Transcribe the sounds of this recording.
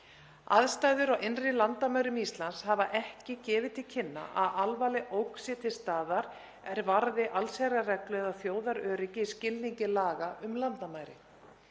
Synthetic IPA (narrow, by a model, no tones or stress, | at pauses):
a̰ðst̪aːjðʏɾawenrɪlant̪amaːjɾʏmist̪lanshavaʔɛhcɪcɛːvɪt̪ʰɪlcʰɪnːa̰ʔa̰ðalvaːlɪʔowksɛt̪ʰɪlst̪aːðaɾ | ɛɾvaɾðɪʔalsajɾarɛklœɛðaθjoːwðaɾœːɾɪcɪiscɪlniɲcɪlaːɣaʔʏmlant̪amaːjɾɪ̰